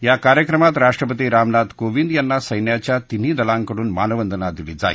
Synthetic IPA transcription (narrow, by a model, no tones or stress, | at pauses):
jakaɾjəkɾəmat̪ɾaʂʈɾəpət̪iɾamnad̪koʋind̪janːasəjnjat͡ɕjat̪in̤iːd̪ɐlaŋkəɽuːnma̰ːnəʋənd̪ʱənad̪ilid͡za̰ḭ